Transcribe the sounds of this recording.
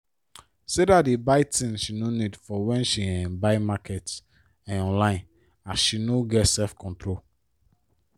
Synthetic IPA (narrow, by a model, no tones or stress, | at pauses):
sedatdebaɪtĩnʃinonidfɔwɛ̃nʃiɛ̃nbaɪmakʰɛt | ɛ̃nɔ̃nlãɪ̃n | asʃinoɡɛtsɛlfkʰɔ̃ntɾol